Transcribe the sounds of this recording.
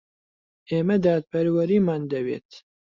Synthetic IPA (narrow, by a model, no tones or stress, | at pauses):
ʔeːmɛd̪aːt̪̚pʰɛɾwɐɾiːmaːnd̪ɐwḛːt̪